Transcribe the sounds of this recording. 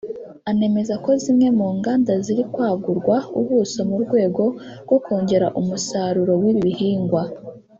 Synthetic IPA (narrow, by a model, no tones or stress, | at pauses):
ane̞me̞zako̞zimŋe̞muːŋɡaːndaziɾikwaːɡuɾɡwauβusomuɾɡwe̞ːɡo̞ɾɡ̥o̞koːɲɟe̞ɾaʔumusaːɾuɾo̞wiβiβihiːŋɡwa